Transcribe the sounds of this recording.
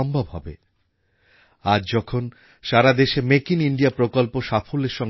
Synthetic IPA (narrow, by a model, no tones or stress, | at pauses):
ɔmbʱabɦɔbḛ | ad͡ʑd͡ʑɔkʰon | ʃaɾad̪eʃemekiniɳɖijapɾokolpoʃafʰoleɾʃɔŋ